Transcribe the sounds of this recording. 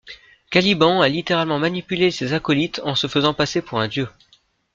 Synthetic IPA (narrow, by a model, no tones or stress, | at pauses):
kʲalibɑ̃alit̪eʁalmɑ̃manipylesezakɔlit̪ɑ̃səfəzɑ̃pasepuʁɛ̃d̪jø